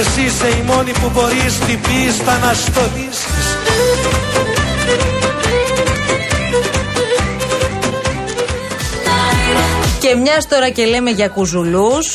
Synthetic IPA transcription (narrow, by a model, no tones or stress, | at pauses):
siseimo̞nipubo̞ɾist̪ipist̪ɐnɐst̪onisis | ce̞mɲɐst̪o̞ɾɐce̞le̞me̞ʝɐkuzulus